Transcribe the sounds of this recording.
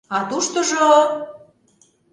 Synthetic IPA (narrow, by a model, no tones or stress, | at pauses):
ɑt̪uʃt̪ŏʒo